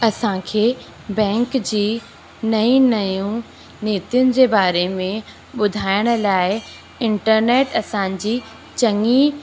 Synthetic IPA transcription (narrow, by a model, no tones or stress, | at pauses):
ɐsãkʰeː | bɛ̃ːŋkd͡ʑiː | nɐĩnɐjũ | neːt̪ijʊnɪ̆d͡ʑeːbaːɾemẽ | ɓʊd̪ʱaːɪəɽ̃̆laːɪ | ɪ̃ɳʈəɾneːʈɐsãd͡ʑiː | t͡ɕɐŋi